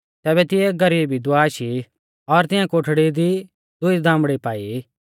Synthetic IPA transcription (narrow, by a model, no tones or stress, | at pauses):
t̪ɛːbɛt̪ɪjɛːk̚ɡɐɾiːbid̪ʊaːʃi | ɔɾt̪ɪ̃jãkoːʈʰɽid̪i | d̪ʊid̪ʱãːmbɽipaːi